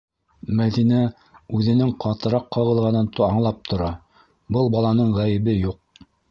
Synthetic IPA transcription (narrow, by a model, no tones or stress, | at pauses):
mæðinæ | ʉðɘ̆nɘŋqʰɑt̪ɤ̆ɾɑqʰːɑʁɤ̆lˠʁɑnɤnt̪ɑɴlˠɑp̚t̪ʰŏɾɑ | bɤlˠbɑlˠɑnɤɴʁæjɘ̆βɘjuq̚